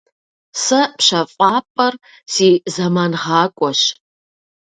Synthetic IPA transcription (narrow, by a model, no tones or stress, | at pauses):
sɐpɕɐfʼɑːpʼɐr | siːzɐmaːnʁɑːkʷʼɔɕ